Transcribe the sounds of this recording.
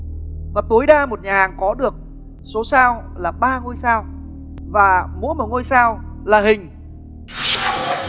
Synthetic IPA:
vaː˨˩t̪u˨˦jɗaː˧mo˨˩t̚ɲaː˨˩aː˨˩ŋkɔ˨˦ɗɨ˨˩ək̚ | so˨˦saː˧wlaː˨˩ɓaː˧ŋo˧jsaː˧w | vaː˨˩mṵ˧˥məː˨˩ŋo˧jsaː˧wlaː˨˩ɦï˨˩ŋ̟

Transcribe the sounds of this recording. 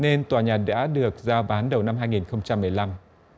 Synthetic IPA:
ne˧nt̪waː˨˩ɲaː˨˩t̚ɗa̰ː˧˥ɗɨ˨˩ək̚zaː˧ɓaː˨˦nɗə˨˩wna˧mɦaː˧jŋi˨˩nxə˧wŋ͡mt͡ɕa˧mːɨ˨˩əjla˧m

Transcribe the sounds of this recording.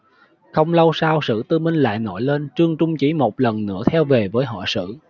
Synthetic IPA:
xə˧wŋ͡mlə˧wsaː˧wsɨ̰˧˨t̪ɨ˧mï˧ŋ̟la̰ː˧˨jnɔ˧˩jle˧nt͡ɕɨ˧əŋt͡ɕʊ˧ŋ͡mt͡ɕi˨˩mo˨˩t̚lə˨˩nnɨ̰˧˥ət̪ʰɛ˧wve˨˩vəː˨˦jɦɔ̰˧˨sɨ̰˧˨

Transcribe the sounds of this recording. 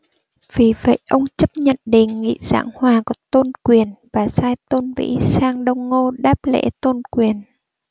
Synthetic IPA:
v̥i˨˩və̰˧˨jʔə˧wŋ͡mt͡ɕə˦˥p̚ɲə̰˧˨nɗḭ̈˧˨ŋ̟ːḭ˧˨z̥a̰ː˧˥ŋhwaː˨˩kɔ˨˦t̪o˧nkwi˨˩ənvaː˨˩saː˧jt̪o˧nvḭ˧˥saː˧ŋɗə˧wŋ͡mːo˧ɗaː˦˥p̚lḛ˧˥t̪o˧nkwi˨˩ən

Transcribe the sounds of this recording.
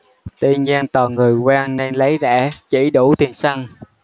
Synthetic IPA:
t̪i˧ənzaː˧nt̪ɔː˨˩ŋɨ˨˩əjkwaː˧ŋne˧nlə˨˦jzɛ̰ː˧˥t͡ɕi˧˩ɗu˧˩t̪i˨˩ənsa˧ŋ

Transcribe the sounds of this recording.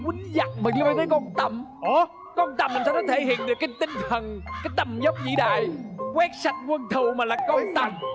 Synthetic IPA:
kwi˨˦ŋ̟za̰˧˨˩ŋ̚mə˨˩li˧ə˧jvəː˨˦jkɔ˧nt̪ə˧˩mʔə˨˩ | kɔ˧nt̪ə˨˩mːï̟˨˩sɛ˧˥kɔ˨˧˦t̪ʰe˧˩˦hḭ˧˨ənɗɨ˨˩əkːaː˨˦jt̪ï˧ŋ̟t̪ʰə˨˩nkaː˨˦jt̪ə˨˩mzə˦˥wp̚zḭ˧˨ɗa̰ː˨jkwɛ˦˥t̚sa˨˩t̚kwə˧nt̪ʰu˨˩maː˨˩laː˨˩kɔ˧nt̪ə˨˩m

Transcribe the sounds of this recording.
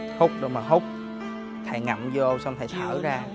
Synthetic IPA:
hʊ˦˥k͡p̚ɗo˨˦maː˨˩ɦʊ˦˥k͡p̚ | t̪ʰa̰˨˩jŋa̰˨˩mzɨ˧ʔə˧wsa˧wŋ͡mt̪ʰa˨˩jt̪ʰaː˧˩zaː˧

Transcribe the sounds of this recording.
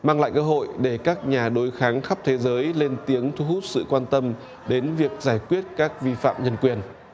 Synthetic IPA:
maː˧ŋla̰ː˧˨jkəː˧ɦo̰˧˨jɗe˧˩kaː˦˥k̚ɲaː˨˩ɗo˨˦jxaː˨˦ŋxa˦˥p̚t̪ʰe˨˦zəː˨˦jle˧nt̪i˨˦əŋt̪ʰu˨˦ɦu˦˥t̚sɨ̰˧˨kwaː˧nt̪ə˧m | ɗe˨˦nvi˨˩ək̚zaː˧˩jkwi˦˥ət̚kaː˦˥k̚vi˧fa̰ː˧˨mɲə˧nkwi˨˩ən

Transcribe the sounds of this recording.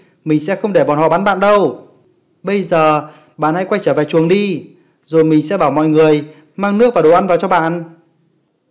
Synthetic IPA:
mï˨˩ŋ̟sɛ̰˧˥xə˧wŋ͡mɗe˧˩ɓɔ˨˩nhɔ̰˧˨ɓaː˨˦nɓa̰ː˧˨nɗə˧w | ɓə˧jzəː˨˩ | ɓa̰ː˧˨nha̰˧˥jkwa˧jt͡ɕəː˧˩vɛ˨˩t͡ɕu˨˩əŋɗi˧ | zo˨˩jmï˨˩ŋ̟sɛ̰˧˥ɓaː˧˩wmɔ̰˧˨jŋɨ˨˩əj | maː˧ŋnɨ˦˥k̚aː˨˩ɗo˨˩ʔa˧nvaː˨˩wt͡ɕɔ˧ɓa̰ː˧˨n

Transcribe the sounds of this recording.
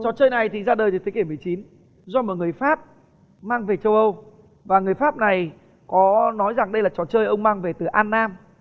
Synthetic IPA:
t͡ɕɔ˨˩t͡ɕəː˧jna˨˩jt̪ʰi˨˩zaː˧ɗəː˨˩jt̪ʰə˨˦keː˧˩mɨ˨˩əjt͡ɕi˨˦n | zɔ˧mo˨˩ŋɨ˨˩əjfaː˦˥p̚ | maː˧ŋve˨˩t͡ɕə˧wʔə˧w | vaː˨˩ŋɨ˨˩əjfaː˦˥p̚na˨˩j | kɔ˨˦nɔ˨˦jza˨˩ŋɗə˧jlaː˨˩t͡ɕɔ˨˩t͡ɕəː˧jʔə˧wŋ͡mmaː˧ŋve˨˩t̪ɨ˨˩ʔaː˧nːaː˧m

